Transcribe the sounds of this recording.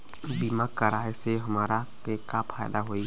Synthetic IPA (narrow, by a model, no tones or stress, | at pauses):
bimakəɾaːeseɦəmaːɾakekapʰaːjd̪aɦoːi